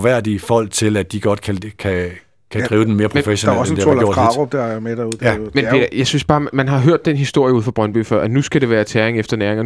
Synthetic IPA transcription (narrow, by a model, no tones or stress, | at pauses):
ʋæɐ̰d̥ifɒ̽l̰ɡ̥t͡sʰe̝læd̥d̥iɡ̥ɒ̽d̥kʰækʰæ | kʰæd̥ʁiːʊd̥en̩me̝ːɐpʰfeɕonɒsndeolo̰ɡʁɑɔb̥̚d̥æɐmed̥ɐuð̥ˠmenpʰe̝djɑ̈ɪsynsb̥ɑ̈ːmænɦɑ̈ɦøɐ̰d̥ːenɦisd̥o̝ɐ̰jəuð̰ˠfɑb̥ʁɶnb̥y̰ːfɶɐ̰ænusɡ̥æɾ̥e̝ʋæːɐt͡sʰæɐeŋefd̥ɐnæːɐeŋɐ